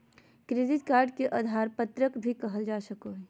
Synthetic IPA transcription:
kɾed̪ɪt̪kaːɾɖkeʔaːd̪ʱaːɾpət̪ɾəkbʱikəɦəld͡ʒaːsəkoɦ

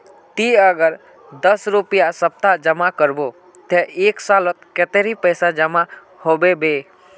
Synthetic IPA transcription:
t̪iəɡəɾ | d̪əsɾupijasəp̚t̪ad͡ʒəmakəɾbo | t̪eeːksalət̪ket̪eɾipəjsad͡ʒəma | hobebe

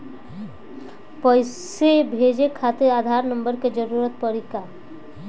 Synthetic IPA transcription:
pɔjsebʱed͡ʒekʰat̪ead̪ʱaɾnəmbəɾked͡ʒəɾuɾət̪̚pɔɾika

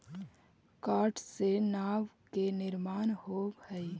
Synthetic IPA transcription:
kaːʈsenaːʋkenɪɾmaːnhoːhɛi

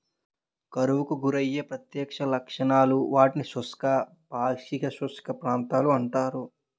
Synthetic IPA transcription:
kɐɾuʋukuɡuɾɐjːepɾɐt̪jɛːkʂɐlɐkʂɐɳaːluʋaːʈinisuskɐ | paːʂikɐsuskʰɐpɾaːnt̪aːluɐɳʈaːɾu

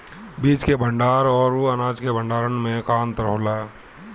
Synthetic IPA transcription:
biːt͡ʃkebə̃ɳɖaːɾɔːɾuənaːd͡ʒkebə̃ɳɖaːɾənmẽkaːnt̪əɾəɦoːlaː

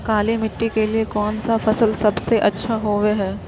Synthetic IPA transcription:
kaːlemɪʈːikeliekɔːnsafɐsəlsɐbseʔɐtːʃʰaɦoːʋeɦɛː

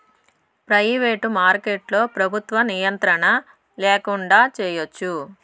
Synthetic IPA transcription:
pɾɐjʋeːʈumaːɾkeʈlo̞ːpɾɐbʱut̪ʋɐnijɐnt̪ɾɐɳɐ | leːkuɳɖaːt͡ʃɛːjot͡ʃːu

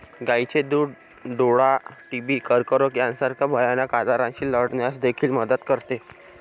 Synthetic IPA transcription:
ɡajt͡ɕed̪uːɽ | ɖoɽaʈibiːkəɾkəɾokjansaɾkʰabʱəjanakad̪aɾãɕiːləɽɳjasd̪ekʰiːlməd̪ət̪kəɾt̪e

